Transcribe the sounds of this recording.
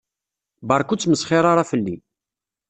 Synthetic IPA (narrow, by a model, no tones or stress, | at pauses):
bɑɾˤkut͡sːməsχɪɾˤaɾˤɑfəlːi